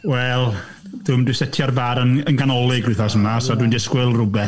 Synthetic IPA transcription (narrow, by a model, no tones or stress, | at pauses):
wɛlˠ | d̥ʊmdɪsɛtʰjɔrvaɾənənɡanɔlˠɪɡrɨθɔsəmasɔdwindiskwɪlˠrʊbɛ